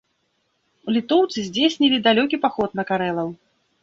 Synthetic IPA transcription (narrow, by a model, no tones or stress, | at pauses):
ulʲit̪ɔwt̪sɨzʲd͡zʲesʲnʲilʲid̪alʲɔkʲipaxɔt̪̚nɐkaɾɛlˠɐw